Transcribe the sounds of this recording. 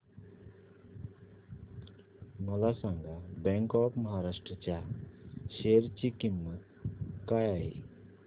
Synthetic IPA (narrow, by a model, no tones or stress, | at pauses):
məlasəŋɡabɛ̃ŋkɔkməɦaɾasʈɾət͡ʃa | seɾt͡ʃikimːət̪ | kajaj